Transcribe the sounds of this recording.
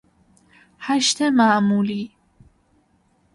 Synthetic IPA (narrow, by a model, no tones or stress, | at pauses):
haʃt̪emaːmuːliː